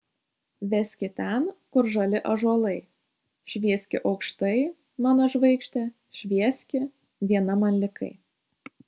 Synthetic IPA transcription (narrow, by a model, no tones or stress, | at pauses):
ʋʲɛsʲkʲɪt̪ʲɛnkʊɾʒɐlʲɪʔɐʒuɔlˠɐɪ | ʃʲʋʲiɛsʲkʲɪʔɒʊkʃt̪ɐɪ | mɑːnoːʒʋɐɪkʃʲt̪ʲɛ | ʃʲʋʲiɛsʲkʲɪ | ʋʲiɛnɐmɐnʲlʲɪkɐ̰ɪ